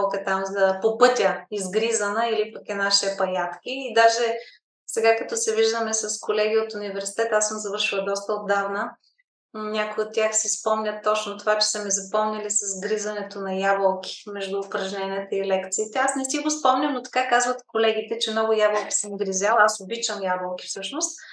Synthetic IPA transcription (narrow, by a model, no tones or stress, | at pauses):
kət̪amzɐpopɤt̪ʲəizɡɾizɐnəilipəkɛnaʃi̥ɛpɐjat̪kʲiːd̪aʒɛ | sɛɡakɐt̪ɔsɛviʒd̪əmɛsɐskolɛɡʲiot̪ʊnivɛɾsi̥t̪ɛt̪asɤmzɐvɤɾʃilˠɐd̪ɔst̪əod̪avnə | nʲakʊot̪ʲːjaxsispɔmnʲət̪ːɔt͡ʃnot̪ovat͡ʃɛ̥sɐmɛzɐpɔmnilisɐzɡɾizɐnɛt̪onɐjabəlˠkʲi̥mɛʒd̪uːpɾɐʒnɛnʲiɛt̪əilɛkt̪siːt̪ɛasnɛst̪iɡospɔmnʲɐmnot̪ɐ̥kakazvət̪kolɛɡ̟it̪ɛt͡ʃɛmnɔɡʊjabəlˠkʲi̥sɛmɡɾizʲalˠasobit͡ʃəmjabəlˠki̥fsɤʃnʊst̪